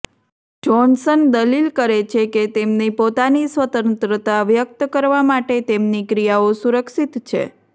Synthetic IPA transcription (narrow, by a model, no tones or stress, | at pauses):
d͡ʒɔnsənd̪əlilkəɾet͡ʃʰeket̪emnipot̪anisʋət̪ənt̪ɾət̪aʋjək̚t̪kəɾʋamaʈet̪emnikɾijaosuɾəkʃit̪t͡ʃʰḛ